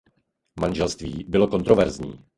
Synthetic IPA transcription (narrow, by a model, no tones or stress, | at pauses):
manʒɛlst̪viːbɪlo̞ko̞nt̪ɾovɛɾzɲḭː